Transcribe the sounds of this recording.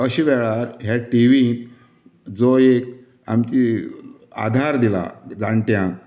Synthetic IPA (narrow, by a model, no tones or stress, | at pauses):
əɕiʋɛɭaɾɦjaʈiʋin | d͡zoek̚ | a̰mt͡ɕi | a̰d̪ʱaɾd̪ila̰d͡zaɳʈjãŋk̚